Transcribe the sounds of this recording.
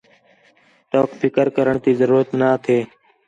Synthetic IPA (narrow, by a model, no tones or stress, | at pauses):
ʈoːkfʰɪkəɾkəɾəɳt̪iːzəɾuːɾət̪naːt̪ʰeː